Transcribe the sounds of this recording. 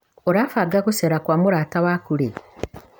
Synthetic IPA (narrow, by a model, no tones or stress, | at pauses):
oɾaːfaːɡakuseɾakwamuɾaːtawakuɾe